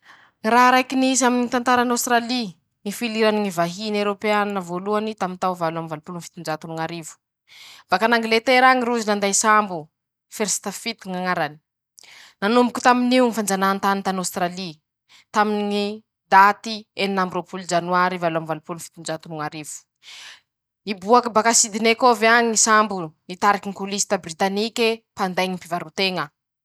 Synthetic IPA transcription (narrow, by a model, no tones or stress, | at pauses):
ŋiɾaɦɾajkinizaminit̪ant̪aɾanawst̪ɾali | ŋifiliɾaniŋivaɦineɾopeannəvoluanit̪amint̪awvaluamivalupulunfi̥t̪und͡ʒat̪unuŋaɾivu̥ | b̥akanaŋɡlet̪eɾaŋiɾuzinand̪ajsambu | feɾsi̥t̪afit̪iŋaŋaɾani̥ | nanumbukʲu̥t̪aminiunifand͡ʒanant̪anint̪anowst̪ɾali | t̪aminiŋi | d̪at̪ieninambɾopuld͡ʒanuaɾivaluamivalupulunfi̥t̪und͡ʒat̪unuŋaɾivu̥ | ibuakibakasid̪inekovaŋisambunit̪aɾakiŋikulisi̥t̪abrit̪anikʲepand̪ajɲimpivaɾut̪eŋə